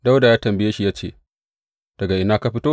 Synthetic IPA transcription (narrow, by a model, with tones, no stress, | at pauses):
da˦wda˨jaː˦tɐ˨mbɪ˨jeː˦ʃi˨jaː˦t͡ʃḛː˦˨ | d̥ɐ˨ɡa˨ʔɪ˦naː˦ka˦ɸɪ˦toː˦